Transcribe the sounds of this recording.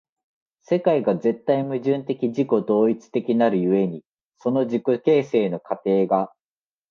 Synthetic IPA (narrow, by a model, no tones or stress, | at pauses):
se̞kaiɡaze̞t̪ːaimɯ̟ʑɨ̃nt̪e̞kʲiʑiko̞d̪o̞ːit͡sɨ̥t̪e̞kʲinaɾɯ̟jɯ̟e̞ɲ̟i | so̞no̞ʑikoke̞ːse̞ːno̞kat̪e̞ːɡa